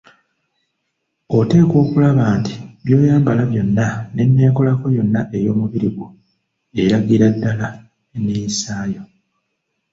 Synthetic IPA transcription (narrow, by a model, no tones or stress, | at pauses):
o̞te̞ːkwo̞ːkulaβaːnti̥βjo̞ːjaːmbalaβjo̞nːane̞nːe̞ːko̞lako̞jo̞nːaʔe̞jo̞ːmuβiɾiɡu | e̞ɾaɡiɾadːala | enijisaːjo